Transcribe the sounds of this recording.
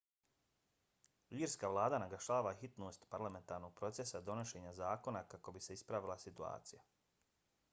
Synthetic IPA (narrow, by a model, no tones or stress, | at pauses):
iːɾskaːʋlˠaːd̪anaɡaʃaːʋaxit̪no̞ːst̪paɾlame̞nt̪aːɾno̞ɡ̚pɾo̞t̪se̞sad̪o̞noʃe̞ːɲazaːko̞nakako̞bise̞ispɾaʋilˠasit̪ua̰ːt̪sija